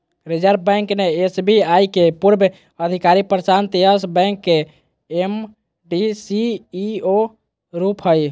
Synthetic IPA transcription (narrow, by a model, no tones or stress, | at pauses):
ɾid͡ʒəɾbbɛ̃ŋkneesbiajkepuɾbʱ | əd̪ʱikaɾipɾəsant̪iəsbɛ̃ŋkːe | em | ɖisiːo | ɾupɦəj